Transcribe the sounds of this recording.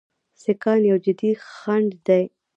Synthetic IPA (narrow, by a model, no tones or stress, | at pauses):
sekɑnjawd͡ʒɪd̪ixaɳɖd̪aj